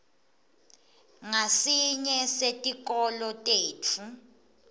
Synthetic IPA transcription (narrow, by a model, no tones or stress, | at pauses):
ŋasiɲɛsetʼik̬ʼɔlɔtʼeːtʰu